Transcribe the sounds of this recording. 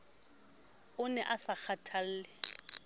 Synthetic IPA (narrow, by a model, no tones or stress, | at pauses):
ʊnɛʔasak͡xʰatʰal̩ːlɪ